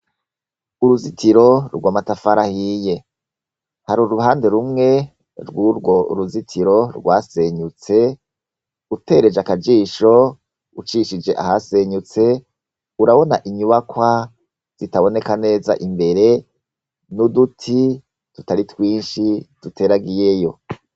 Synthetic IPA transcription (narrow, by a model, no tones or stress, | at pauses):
uɾuzitʰiɾo̞ɾɡwaːmatafaɾahiːje̞ | haɾuɾuhaːnde̞ɾumŋe̞ | ɾɡuɾɡo̞ṵɾuzitʰiɾo̞ɾɡwaːse̞ɲut͡se̞ | ute̞ɾe̞d͡ʒakad͡ʒiːʃo̞ | ut͡ʃiʃid͡ʒe̞ʔa̰hase̞ɲut͡se̞ | uɾaβo̞naʔiɲuβakwa | z̥itaβo̞ne̞kane̞ːza̰ʔimbe̞ɾe̞ | nudutʰi | tutaɾitwiːnʃitute̞ːɾaɡije̞jo̞